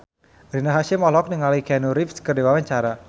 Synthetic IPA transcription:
ɾinaɦaʃimɔlɔk̚nɪŋalikɛnuɾifskərdewawaɲt͡ʃaɾa

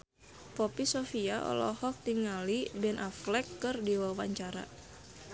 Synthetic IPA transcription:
popisofiaɔ̰lɔ̰hɔk̚t̪iŋalibɛnʔaflɛkːɨrdiwawaɲt͡ʃaɾa̰

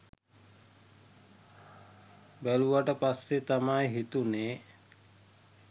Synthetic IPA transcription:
bæluʋaʈəpasːet̪amajɦit̪uneː

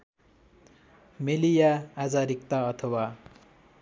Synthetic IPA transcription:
melijaːd͡zaɾikt̪aʌt̪ʰʌwa

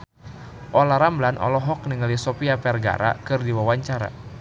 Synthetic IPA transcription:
ʔɔlaɾamblanʔɔ̰lɔɦɔk̚niŋalisɔpiapɛrɡa̰ɾa̰kɨrdiwawaɲt͡ʃaɾa̰

